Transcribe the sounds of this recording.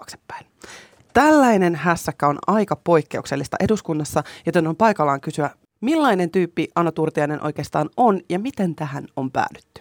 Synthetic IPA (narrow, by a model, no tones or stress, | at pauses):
kse̥pːæ̥in | t̪ælːæine̞nɦæsːækːæo̞nɑjkɑpo̞jkːe̞ukse̞lːist̪ɑ̰ʔe̞duskunːɑsːɑjo̞t̪e̞nompɑjkɑlːɑːŋkysyæ | milːɑjne̞nt̪yːpːiʔɑnːot̪urt̪iɑjne̞nʔo̰jke̞ːst̪ɑːnʔo̞njɑmit̪e̞nt̪æhæno̞mpæ̰ːly̥t̪ːy̥